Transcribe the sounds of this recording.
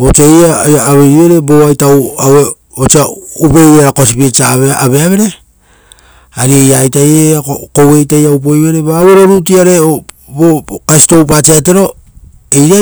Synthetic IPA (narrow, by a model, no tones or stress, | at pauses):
ot͡ʃiajaaːβeɾiβe̞ɾe̞boajtawawe | ot͡ʃiaupe̞jaɾako̞sipiet͡ʃaβeaβeaβe̞ɾe̞ | aɾiejajtajeokowe̞jtajaup̬o̞jβe̞ɾeβaːwe̞ɾo̞ɾut̬iaɾe̞ | bokasi̥to̞wp̬at͡ʃiate̞ɾo̞ | ejɾa